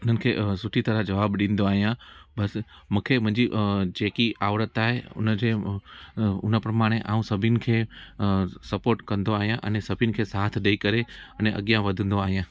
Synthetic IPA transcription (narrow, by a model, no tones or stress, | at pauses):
ʊn̤ənɪ̆kʰeːsʊʈʰit̪ɐɾəd͡ʑɐʋaːbɗĩːn̆d̪oaːɦijãbɐsmũːkʰemʊ̃ɦɪ̃ɲd͡ʑid͡ʑeːkiaːʋɾət̪aːɦeʊ̰nəd͡ʑe | ʊnəpɾɐmaːɽ̃eʔa̰ːũsɐbʱɪnɪ̆kʰeː | sɐpoːɾʈkɐ̃nd̪oaːɦijãʔɐ̰nesɐbʱɪnɪ̆kʰeːsaːt̪ʰɗɐikɐɾeɐneʔɐ̰ɠijãʋɐd̪ʱə̃nd̪oaːɦijãː